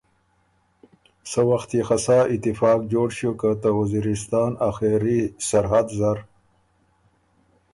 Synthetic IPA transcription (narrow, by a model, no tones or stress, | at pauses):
səwaxt̪ixasaːit̪ɪfɑːkd͡ʑoːɽɕukat̪awaziɾist̪ɑːnaxeɾisaɾɦad̪zaɾ